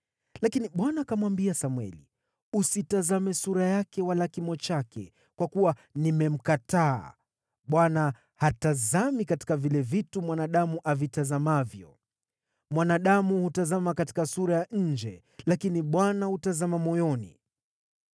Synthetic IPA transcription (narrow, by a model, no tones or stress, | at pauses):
lakiniɓwanakamwambiasamwɛ̰lḭ | usitazamɛsuɾajakɛwalakimɔt͡ʃakɛ̰ | kwakuwanimɛm̩kata̰ː | ɓwana | hatazamikati̥kavilɛvitumwanaɗamuʔavitazamavjɔ̰ | mwanaɗamuhutazamakati̥kasuɾajaɲ̩d͡ʒɛ | lakiniɓwanahutazamamɔjɔnḭ